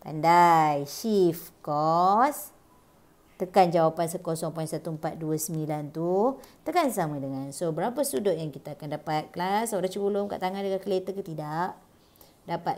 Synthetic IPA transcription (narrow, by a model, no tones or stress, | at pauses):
t̪a̰ndajʃifkɔs | t̪əkand͡ʒawapansəkosɔŋpaisat̪umpat̪̚duasəmilant̪ut̪əkansamãdəŋansobəɾapəst̪udʊʔjaŋkit̪aːkandapat̪̚klasoɾat͡ʃəbəlʊmka̰ʔt̪aŋandəɡakəlet̪əkət̪idaʔ | dapa